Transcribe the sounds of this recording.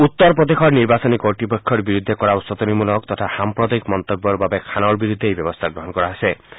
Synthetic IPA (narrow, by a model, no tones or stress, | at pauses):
ut̪ːɔɾpɾɔd̪exʰɔɾniɾbasɔnikɔɾʈɾipɔkʰːɔɾbiɾud̪ʱːekɔɾausɔt̪ɔnimulɔk̚t̪ɔtʰahampɾɔd̪ɔjkmɔnt̪ɔbjɔɾbabekʰanɔɾbiɾud̪ʱːejbjɔbɔst̪ʰaɡɾɔɦɔnkɔɾaɦase